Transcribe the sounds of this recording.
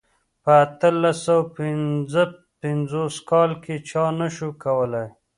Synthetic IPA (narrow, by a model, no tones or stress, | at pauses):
pəːt̪əlasawpɪnzə | pɪnzoskɑlket͡ʃɑnaʃukawəlaj